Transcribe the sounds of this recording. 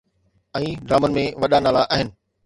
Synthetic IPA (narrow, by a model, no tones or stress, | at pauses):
ɛ̃ːɖɾaːmənmẽʋɐɗanaːlaʔaːɦɪnɪ̆